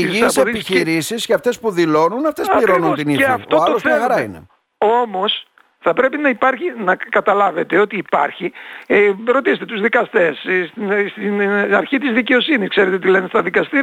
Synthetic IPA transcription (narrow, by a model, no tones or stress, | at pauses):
iisepiçiɾisisceɐft̪e̞spuðilo̞nunɐft̪espiɾo̞nunt̪inieɐft̪oɐolosxɐɾɐḭne̞̰ | o̞mo̞s | θɐpɾe̞pinɐipɐɾçinɐkɐt̪ɐlɐve̞t̪e̞o̞t̪iːpɐ̰ɾçi | ɾo̞t̪iset̪e̞t̪uzðikɐst̪e̞ssinst̪inɐ̰ɾçit̪izðice̞o̞siniskse̞ɾet̪et̪ilenest̪ɐðikɐst̪iɾ